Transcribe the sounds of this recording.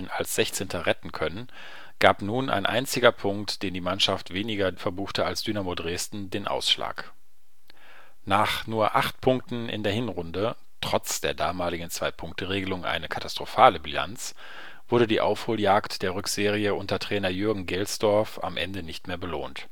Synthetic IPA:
nalsz̥ɛçt͡seːntʰɐʁɛtn̩kʰœnən | ɡ̥aːpnuːnʔa̰ɪnʔa̰ɪnt͡sɪɡɐpʰʊŋktd̥eːndiːmanʃaftv̥eːnɪɡɐfɛɐbuːxtəalsd̥yːnamoːdʁeːstn̩deːnʔa̰ʊsʃla̰ːk | naːχnuːɐʔaχtpʰʊŋk̚tn̩ʔɪ̰ndeːɐhɪnʁʊndə | tʁ̥ɔt͡sd̥eːɐdaːmaːlɪɡŋ̩t͡sv̥aɪpʰʊŋktəʁeːɡəlʊŋʔa̰ɪnəkʰatastʁ̥ofaːləbila̰nt͡s | v̥ʊɐɾədiːʔa̰ʊfhoːljaːktd̥eːɐʁʏkz̥eːʁiəʔʊntɐtʁ̥ɛːnɐjʏɐɡŋ̩ɡɛlsd̥ɔɐfa̰mʔɛ̰ndənɪçtmeːɐbəloːnt

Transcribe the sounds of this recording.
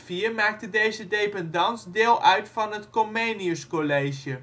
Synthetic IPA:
fiːɹmaːk̚tədejzədejpɛndɑnsdɪːlˠʔœɥtfɑnɦətkomejniəskɔlejʒə

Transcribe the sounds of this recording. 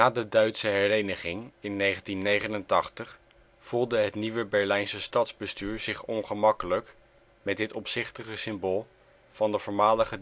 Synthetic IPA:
naːdədœɥtsəɦɛɹejnəχɪŋɪnːejχəntinːejχənəntɑχtəχ | fulˠdəɦətniʋəbɛɹlɛjnsəstɑtzbəstyːɹz̥ɪχɔnχəmɑkələk | mɛdɪtɔpsɪχtəχəsɪmboːlˠ | vɑndəvɔːɹmaːləχə

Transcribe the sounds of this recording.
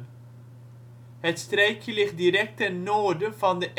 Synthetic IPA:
ɦətstrɛjkjəlɪχt̚dirɛk̚tɛnːoːɹdəvɑndəʔ

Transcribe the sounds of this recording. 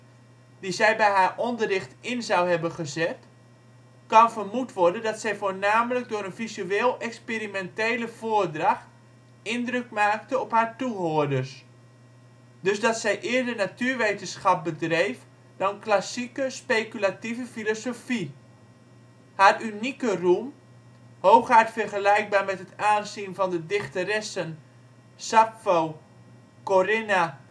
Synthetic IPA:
dizɛjbɛjɦaːrɔndərɪxtɪnzawhɛbənχəzɛt | kɔnfərmutʋɔrdəndɔtsɛjfoːrnaːmələk̚dʊəɾənfizyeːlˠɛkspeɾimɛntejləvoərdraxt | ɪndrøkmaːk̚təɔphaːɹtuɦoədərs | døsdɔtsɛjʔɪərdərnatyərʋejtənsχɑp̚bədrejf | d̥ɑnklasikəspejkylativəfilosofi | haːrynikərum | howxaɹtfərχəlɛjk̚baːɹmɛtɦətaːnsinvɔndədɪχtəɾɛsən | sapfow | korɪna

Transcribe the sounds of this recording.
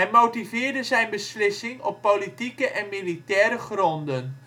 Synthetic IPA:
ɛnmowtivɪːɹdəzɛjnbəslɪsɪŋɔpːowlitikəʔɛnmilitɛːɾəχrɔndən

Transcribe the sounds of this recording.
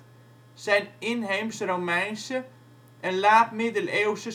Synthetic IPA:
sɛjnɪnɦemsromɛjnsə | ʔɛnlaːtmɪdəlewsə

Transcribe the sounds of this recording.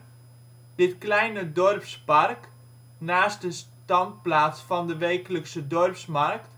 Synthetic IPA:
d̥ɪtklɛjnədɔrpspark | naːs̚dəs | tɑnt̚plaːsfɑndəʋeːkələksədɔrpsmark̚t

